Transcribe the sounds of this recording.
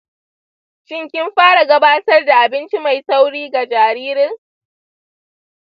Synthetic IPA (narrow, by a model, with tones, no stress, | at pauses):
ʃɪ˦ŋkʲɪ˦mɸaː˦ɽa˨ɡɐ˦baː˦tɐ˦rda˨ʔa˨bɪ˦nt͡ʃi˦ma˨jsa˦wɽiː˦ɡa˨d͡ʒaː˨ɾiː˦ɾɪ˦ŋ